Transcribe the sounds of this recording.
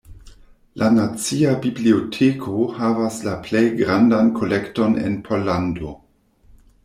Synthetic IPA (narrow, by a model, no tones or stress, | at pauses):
lʔanat͡siabibliotʰekʰohavaslaple̞jɡɾandankʰo̞lekto̞nḛnpʰo̞lando̞